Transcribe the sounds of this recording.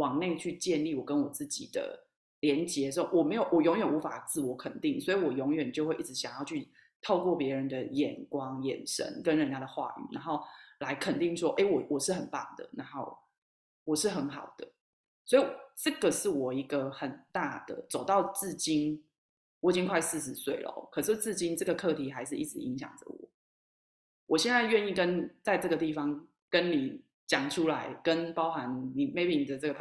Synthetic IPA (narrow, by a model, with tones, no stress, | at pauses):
wɑ˨˩ŋne˥˧ɪt͡ɕʰy˥˧t͡ɕjɛ˥˧nli˥˨wɔ˨˩kə˦nwɔ˨˩t͡sɹ̩˥˩t͡ɕḭ˨˩d̪̥ə̰˦ | ljɛ˧˥nt͡ɕjɛ˧˦o˥o˨˩wɔ˨˩me˧˥ɪjo˨˩ʊwɔ˨˩jɔ˧˥ŋɥɛ˨˩nu˧˥fa˨˩t͡sɹ̩˥˩wɔ˧˥kʰə˨˩nt̪i˥˩ŋswɔ˧˥i˨wɔ˨˩jɔ˧˥ŋɥɛ˨˩nt͡ɕjo˥˧ʊxwe˥˧ɪi˥˩ʈ͡ʂɻ̩˧˥ɕjɑ˨˩ŋjɑ˥˧ʊt͡ɕʰy˥˧ | t̪ʰo˥˧ʊkwɔ˥˩pjɛ˧˦ɻə˧˦nd̪ə˨jɛ˨˩nkwɑ˦ŋjɛ̰˨˩nʂə̰˦nkə˦nɻə˧˦nja˥˩d̪ə˨xwa̰˥˩y̰˨˩na˧˦ŋxo˥˩ʊla˧˥ɪkʰə˨˩nt̪i˥˩ŋʂwɔ˦˥ʔe˥˩ɪwɔ˨˩wɔ˨˩ʂɻ̩˥˩hə˨˩npa̰˥˩ŋd̪ə̰˩na˧˥ŋxo˥˩ʊ | wɔ˨˩ʂɻ̩˥˩xə˧˦nxɑ˨˩ʊd̪̥ə˦ | swɔ˧˥i˨˩wʈ͡ʂɤ˥˩ɡə˨ʂɻ̩˥˩wɔ˨˩i˧˦ɡə˧xə˨˩nt̪a̰˥˩d̪̥ə̰˩t͡so˨˩ʊt̪ɑ˥˧ʊt͡sɹ̩˥˩t͡ɕi˥n | wɔ˨˩t͡ɕi˥ŋkʰwa˥˧ɪsɹ̩˥˩ʂɻ̩˧˦swe˥˩ɪlə̰˨˩kʰɤ˨˩ʂ̬ɻ̩˥˧t͡sɹ̩˥˩t͡ɕi˥nʈ͡ʂɤ˥˩ɡə˩kʰɤ˥˨t̪ʰi˨˥xa˧˥ɪʂɻ̩˥˧i˥˩ʈ͡ʂɻ̩˨˧˩i˧˦ŋɕjɑ̰˨˩ŋʈ͡ʂə̰˦wɔ̰˨˩˦ | wʔɔ˨˩ɕjɛ˥˧nt͡sa˥˧ɪɥɛ˥˧ni˥˩kə˦nt͡sa˥˧ɪʈ͡ʂɤ˥˩ɡə˩t̪i˥˩fɑ˧˦ŋ | kə˦nni˨˩ | t͡ɕjɑ˨˩ŋʈ͡ʂʰu˦˥la˧˦ɪkə˦npɑ˥ʊxa˧˦nmi˨˧˦ŋme˥˩ɪpi˧˩ni˨˩d̪ə˩ʈ͡ʂɤ˥ɡə˩